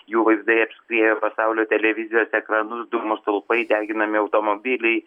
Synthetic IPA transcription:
juːʋɐɪzd̪ɐɪɐpʲsʲkɾʲiɛjʲoːpɐsɑʊlʲoːt̪ʲɛlʲɛʋʲɪzʲɪjoːsɛkɾɑnʊsd̪ʊɡmost̪ɐlˠpɐɪd̪ʲæːɡʲɪnɐmʲɪɐʊt̪oːmobʲɪlʲɛɪ

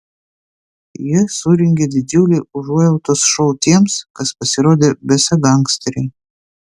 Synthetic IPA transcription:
jɪsuɾʲɪŋʲɡʲed̪ʲɪd͡ʒʲuːlʲeʊʒuːjɛʊt̪oːsʃɔʊt̪ʲiɛmskɐspɐsʲɪɾoːd̪ʲeːbʲɛsɐɡɐŋksʲt̪ʲɾʲɛː

